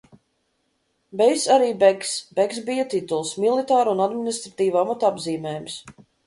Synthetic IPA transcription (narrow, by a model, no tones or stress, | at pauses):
bɛjsaɾiːbɛɡsbɛɡs̬bijat̪it̪ulˠsmilˠit̪aːɾunad̪minist̪ɾat̪iːvamat̪abziːmʲɛːjums